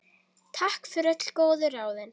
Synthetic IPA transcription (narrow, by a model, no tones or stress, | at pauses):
t̪ʰahkfɪɾœt̪l̥koːwðʏɾaːwðɪn